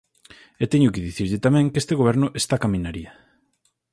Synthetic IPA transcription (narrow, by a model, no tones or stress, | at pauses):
et̪eɲʊkɪðiθiɾʎɪt̪amɛ̃ŋkest̪eɣoβɛɾnʊʔest̪akamĩnaɾiɐ